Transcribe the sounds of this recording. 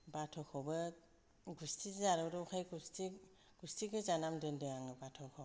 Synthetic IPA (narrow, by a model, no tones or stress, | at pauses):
batʰɔkʰɔbɯ | ɡustʰizaɾɯɾɯukʰajɡusti | ɡ̥ustiɡɯzanamdɯndɯaŋɯbatʰɔkʰɔ